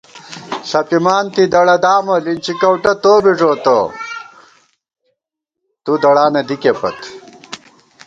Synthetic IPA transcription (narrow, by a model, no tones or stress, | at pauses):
sɐpimaːnt̪id̪ɐɽɐd̪aːmɐlint͡ɕikɐwʈɐt̪oːbiʐoːt̪o | t̪ud̪ɐɽaːnɐd̪ikepɐ̰t̪